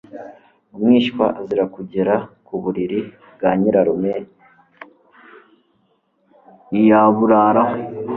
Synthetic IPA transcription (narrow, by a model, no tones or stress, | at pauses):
umŋiːʃkwa̰ʔaziɾakuɟeɾakuβuɾiɾi | bɡaːɲiɾaɾumŋe | ijaβuɾaɾaho